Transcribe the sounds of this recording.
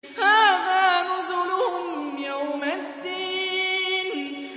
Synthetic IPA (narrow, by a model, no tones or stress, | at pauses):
haːðaːnʊzʊlʊhʊmjawmad̪ːiːn